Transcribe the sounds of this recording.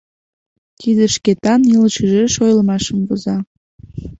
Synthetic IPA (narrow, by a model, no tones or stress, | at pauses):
kʰid̪əʃket̪ɑnilət͡ɕəʒeʃojlmɑʃəmvozɑ